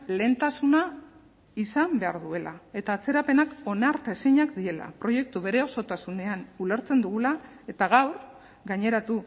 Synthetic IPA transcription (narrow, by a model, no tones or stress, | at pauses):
le̞nt̪asuna | isambe̞a̰ɾðue̞lae̞t̪aːt͡se̞ɾape̞nako̞naɾt̪ae̞siɲakd̪ie̞la̰pɾo̞je̞k̚t̪uβe̞ɾe̞o̞so̞t̪asune̞anule̞ɾt͡se̞nd̪uɣ̞ula | e̞t̪aɣawɾ | ɡaɲe̞ɾat̪u